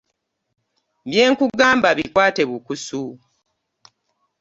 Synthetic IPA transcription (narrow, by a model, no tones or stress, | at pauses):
bje̞ːŋkuɡaːmbaβikwaːte̞βukusu